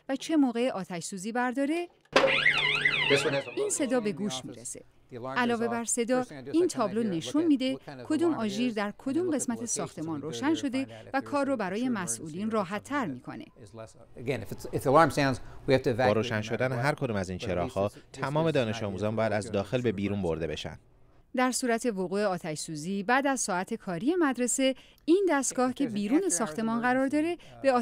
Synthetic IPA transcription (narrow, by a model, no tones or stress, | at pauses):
væt͡ʃʰe̞moːɣe̞ʔɒːt̪ʰæʃsuːziːbæɾd̪ɒːɾe̞ | iːnse̞d̪ɒːbe̞ɡuːʃmḭɾese̞̰ | ʔælɒːve̞bæɾse̞d̪ɒːiːnt̪ʰɒːblo̞ne̞ʃunmiːd̪e̞kʰo̞d̪uːmɒːʒiːɾd̪æɾkʰo̞d̪uːmɢe̞smæt̪ʰe̞sɒːxt̪ʰe̞mɒːnroːʃænʃo̞d̪e̞vækʰɒːrːɔbæɾɒːje̞mæsʔuːliːnrɒːɦæt̪ʰːæɾmiːkʰo̞̰ne̞̰ | ɡɛ̃nɨftsɪfðiəlɑɹmsãʊ̃nzwihæftɨvbɒːɾoːʃænʃo̞d̪æneɦæɾkʰo̞d̪umæzint͡ʃʰeɾɒ̰ːxhɒːt̪ʰæmɒːme̞d̪ɒːne̞ʃɒːmuːzɒnmbɒːjæd̪æzd̪ɒːxe̞lbe̞biːɾuːmbo̞ɾd̪e̞̰be̞̰ʃæ̰nd̪̥ | d̪æɾsuːɾæt̪ʰe̞voɣuːe̞ɒːt̪ʰæʃsuːziːbæːd̪æzsɒːæt̪ʰe̞kʰɒːɾije̞mæd̪ɾe̞se̞ | ind̪æst̪ɡ̥ɒːhcʰe̞biːɾuːne̞sɒːxt̪ʰe̞mɒːnɢæɾɒːɾd̪ɒːɾe̞b̥eɒː